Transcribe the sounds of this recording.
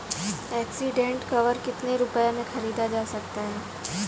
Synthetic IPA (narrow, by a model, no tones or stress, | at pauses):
ɛːksiɖẽːɳʈkɐʋəɾkɪt̪neɾʊpəjamẽxɐɾiːd̪ad͡ʒaːsɐk̚t̪aɦɛː